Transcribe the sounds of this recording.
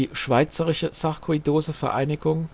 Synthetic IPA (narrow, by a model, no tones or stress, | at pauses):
iːʃv̥aɪt͡səʁɪʃəsaʁkʰoidoːzəfɛɐʔa̰ɪnɪɡʊŋ